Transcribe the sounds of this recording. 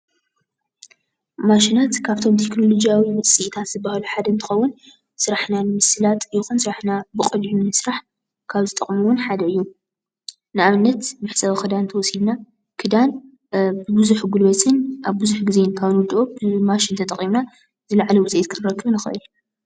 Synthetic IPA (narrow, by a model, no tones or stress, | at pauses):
maʃinat̪kʰaβt̪ʰo̞mt̪ʰekno̞lo̞d͡ʒijawimɐsʼiʔt̪ʰat̪z̥ɨbːahluħad̪ɐnt̪ʰɨxɐwːʊn | sɨɾaħnanɨmɨsɨlat̪ʼjɪxunsɨɾaħnabɨkʼɨljunɨsɾaħ | kʰaβzɨt̪ʼɐχʼmuwʊnħad̪ɐɨjːu | nɨʔaβɨnːɐt̪mɨħsɐβxɨd̪ant̪ʰɐwɔsilna | kʰɨd̪an | bɨbɨzuħɡulbɐtʰɨnʔaβbɨzuħɡɨzenkʰaβɨnwɔd̪ʔobɨmaʃɪnt̪ʰɐt̪ʼɐχʼimna | zɨlaʕlɐwʊsʼiʔet̪kʰɨɾɾɐkʰːɨβnɨxɨ̰ʔɨ̰l